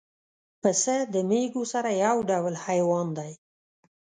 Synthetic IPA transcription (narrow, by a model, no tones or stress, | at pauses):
pəsəd̪əmeɡosaɾajawɖawlhajwɑnd̪aj